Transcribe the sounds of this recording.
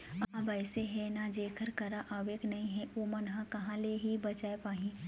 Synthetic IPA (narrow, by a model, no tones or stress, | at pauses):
abɐɪseɦɛ̃nad͡ʒeːkʰəɾkɐɾaʔaːʋeːknɐɦĩɦɛ̃oːmɐnɦãkɐɦãleɦibɐt͡ʃaːepaːɦĩː